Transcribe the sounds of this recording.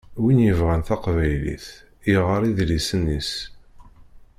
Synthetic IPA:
winjəvʁænθɑqvæjlḭθ | iʁəɾˤiðlisənːis

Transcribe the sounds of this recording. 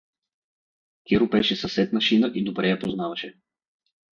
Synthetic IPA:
kʲɛɾʊbɛʃɛsɐsɛt̪nɐʃinəʔid̪obɾɛjɐpoznavɐʃɛ

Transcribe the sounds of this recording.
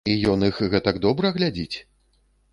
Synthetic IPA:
ijɔnɨxɣɛt̪ɐɡd̪ɔbɾɐɣlʲad͡zʲit͡sʲ

